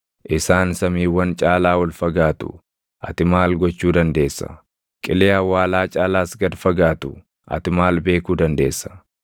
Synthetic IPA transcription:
ʔɪsaːnsɐmiːwːɐnt͡ʃʼaːlaːwɐlfɐɡaːt̪ʊ̰ | ʔɐt̪ɪmaːlɡɔt͡ʃːuːd̪ɐnd̪e̞ːsːɐ̰ | kʼɪleːɐwːaːlaːt͡ʃʼaːlaːsɡɐd̪fɐɡaːt̪ʊ | ʔɐ̰t̪ɪmaːlbe̞ːkuːd̪ɐnd̪e̞ːsːɐ̥

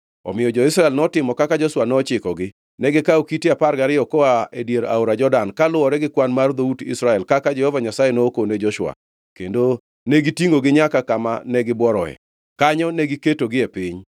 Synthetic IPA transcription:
ɔ̰mɪjɔd͡ʒɔɪsɾaɛlnɔtɪmɔkakad͡ʒɔswanɔt͡ʃɪkɔɡɪ | nɛɡɪkaokitiapaɾɡaɾɪjɔkɔaedjeɾa̰oɾad͡ʒɔdankalʊɔɾɛɡɪkwanmard̪outɪ̰sɾaɛlkakad͡ʒɛhɔvaɲasajenookoned͡ʒɔʃwa̰ | kendo | neɡitiŋɡoɡɪɲakakamanɛɡɪbwɔɾɔɛ̰ | kaɲɔneɡiketoɡɪepɪɲ

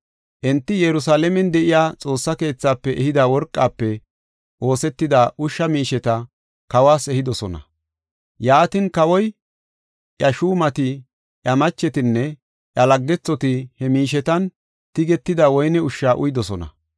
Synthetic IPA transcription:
ʔɛnt̪ːɪjɛɾʊsaːlɛmɛnd̪ɛʔɪjaːt͡sʼo̞ːsːɐke̞ːt͡sːaːpːɛʔɛhɪd̪awɔɾkʼːaːpːɛ | ʔo̞ːsɛt̪ːɪd̪aːʔʊʃːɐmiːʃɛt̪ɐ | kɐwaːsɛhɪd̪ɔsɔnɐ̰ | jaːt̪ɪnkɐwɔj | ʔjɐʃuːmɐt̪ɪ | ʔjɐmɐt͡ʃːɛt̪ɪnːɛ | ʔjɐlɐɡːɛt͡sːɔt̪ɪhɛmiːʃ̬ɛt̪ɐn | t̪ɪɡɛt̪ːɪd̪awɔjnɛʊʃːaːʔʊjd̪ɔsɔnɐ̰

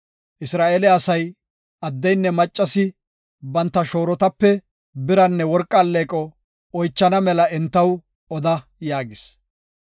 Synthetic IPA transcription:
ʔɪsɾaːʔeːlɛɐsɐj | ɐd̪ːɛjnːɛmɐt͡ʃʼːɐsɪ | bɐnt̪ːɐʃo̞ːɾɔt̪ɐpːɛ | bɪɾɐnːɛwɔɾkʼːɐlːeːkʼɔ | ɔjt͡ʃːɐnɐmɛlɐɛnt̪ːɐw | ɔd̪ɐjaːɡɪs

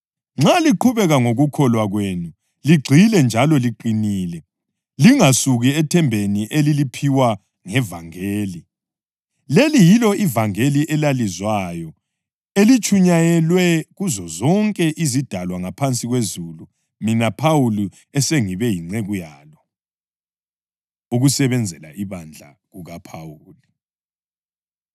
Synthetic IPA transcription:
ŋ͡ǁaliǃʰuβɛɣaŋoɣukʰɔlwaɣwenu | liɡ͡ǀʱilɛnd͡ʒʱalɔliǃiniːlɛ | liŋasuɣiɛtʰɛmbʱeniʔelilipʰiwa | ŋɛvaŋeːli | lelijilɔʔivaŋeliʔɛlalizwajɔ | elit͡ʃʰʼuɲajɛlwɛɣuzɔzɔŋkʼɛʔizid̥ʱalwaŋapʰant͡sʼiɣwezulu | minapʰawuli | ɛseŋiβɛjiŋ͡ǀeɣujaːlɔ | uɣusɛβɛnd͡zʱɛla̰ʔiβand͡ɮʱa̰ | ɣuɣapʰawuːli

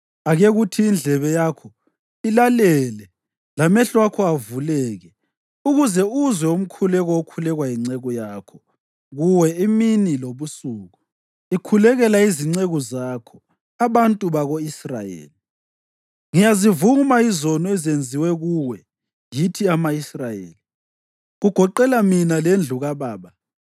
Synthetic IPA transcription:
aɣeɣutʰiːnd͡ɮʱɛβɛjakʰɔ | ilalɛlɛ | lamɛɬwakʰɔavulɛːɣɛ | uɣuzɛuzwɛum̩kʰulɛɣɔokʰulɛɣwajiŋ͡ǀɛɣɔjaːkʰɔ | ɣuwɛiminiloβusuːɣu | ikʰulɛɣɛlaiziŋ͡ǀeɣuzaːkʰɔ̥ | aβantʼuβaɣoisra̰jḛːli | ŋijazivumaizɔnɔɛzend͡zʱiwɛɣuwɛ | jitʰiamaisrajḛːli | ɣuɡ̥ʱɔǃɛlaminalend͡ɮʱuɣaβaːβa

